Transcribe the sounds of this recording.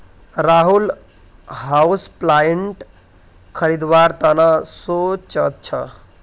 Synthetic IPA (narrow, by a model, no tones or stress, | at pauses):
ɾaɦul | ɦausplajeɳʈ | kʰəɾid̪ʋaɾt̪ənasot͡ʃət̪̚t͡ʃʰʌ̰